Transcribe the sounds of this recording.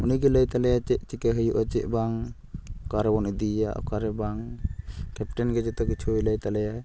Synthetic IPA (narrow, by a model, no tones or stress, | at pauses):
uniɡelajt̪alajat͡ʃɛʔt͡ʃikeɦəjuʔat͡ʃɛʔbaŋ | kaɾebɔnid̪ija̰ʔkaɾɛbaŋ | kɛpʈanɡed͡ʒet̪aɡit͡ʃʰujlajt̪alajaj